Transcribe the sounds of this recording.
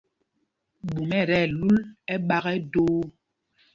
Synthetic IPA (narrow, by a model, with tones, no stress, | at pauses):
ɓu˨mɛ˦˨ɾɛ˦˨lu˦lɛ˦ɓa˦ɣɛ˦doː˦